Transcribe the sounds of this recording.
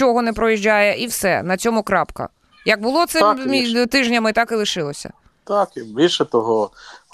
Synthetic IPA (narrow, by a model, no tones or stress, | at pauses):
ɔɦɔnɛpɾɔjiʒʲd͡ʒʲajɛʔiwsɛ̰nɐt͡sʲɔmʊkɾɑpkɐ̰ | jɐɡ̚bʊlˠɔt̪sɛit̪ɪʒnʲɐmɪt̪ɑkɪlˠɪʃɪlˠɔsʲɐ̰ | t̪ɑkibʲilʲʃɛt̪ɔɦɔ